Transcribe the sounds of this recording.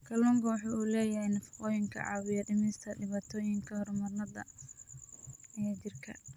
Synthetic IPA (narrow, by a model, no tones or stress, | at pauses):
kʰɐlɔːŋkʰɐwɑħɑuːlɛːjɐhɛjnɐfɪ̥qɔːjɪŋkʰɐ̰ʕɑ̰ːwɪjɐɖɪmɪst̪ʰɐɖɪβaːt̪ʰɔːjɪŋkʰɐhrmɐrnɐd̪ɐ̰ | t͡ʃɪrkʰɐ̰